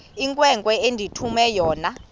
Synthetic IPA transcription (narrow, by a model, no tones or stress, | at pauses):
iŋkʼwɛŋkʼwɛendʱitʰumɛjɔːna